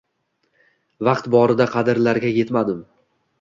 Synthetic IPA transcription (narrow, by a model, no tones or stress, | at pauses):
vɑqt̪bɒɾɪd̪aqʰɑd̪ɪɾlaɾɡʲaje̞t̪mad̪ɪm